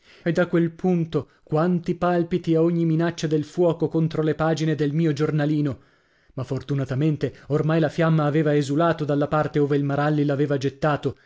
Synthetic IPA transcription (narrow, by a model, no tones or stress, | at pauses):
ed̪ːakːwelpʰunt̪o | kwant̪ipalpit̪iaoɲːiminat͡ʃːad̪elfwɔːkokont̪ɾolepaːd͡ʒined̪elmiːod͡ʒornaliːno | mafːort̪unat̪ament̪eormajlafjamːaːveːvaezulaːt̪od̪alːapart̪eoːveilmaɾalːilaveːvad͡ʒet̪ːaːt̪o